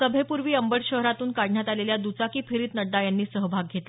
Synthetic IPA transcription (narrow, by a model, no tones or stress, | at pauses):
əbʱepuɾʋiːəmbəɽɕəɦɾat̪uːnkaɽɳjat̪aleljad̪ut͡sakiːpʰeɾiːt̪nəɖ̪ːajanːiːsəɦbʱaɡ̚ʱet̪l